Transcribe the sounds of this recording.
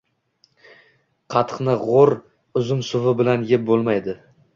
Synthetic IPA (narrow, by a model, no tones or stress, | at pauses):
qʰɑt̪ʰqnɪʁoɾ | ʊzʊmsʊvɪbɪlanjɪp̚bolˠmajd̪ɪ